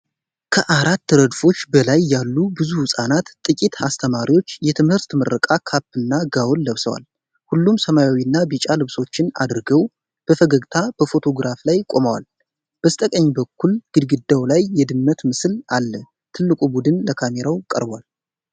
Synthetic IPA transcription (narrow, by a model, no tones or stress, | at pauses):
kʰəʔaɾat̪ːəɾəd̪fo̞t͡ʃːbəlajːalːubɨzuhɨsʼanat̪t̪ʼːɨkʼit̪hast̪ʰəmaɾiwo̞t͡ʃːjɛt̪ʰɨmhɨɾt̪məɾːəkʼakʰapːɨnːaɡawnːəβsəwa̰l | hulːumsəmajawinːabit͡ʃʼalɨβso̞t͡ʃːɪna̰d̪ɾɡəw | b̥əfəɡəɡt̪ʰab̥əfo̞t̪ʰo̞ɡɾaflajkʼo̞məwa̰l | b̥əst̪ʼəkʼəɲːbəkːulɡ̥ɨd̪ɡɨd̪ːawlajːɛd̪ɨmːət̪mɨslalːə | t̪ʰɨlːɨkʼubud̪ɨnləkʰame̞ɾawkʼə̰ɾba̰l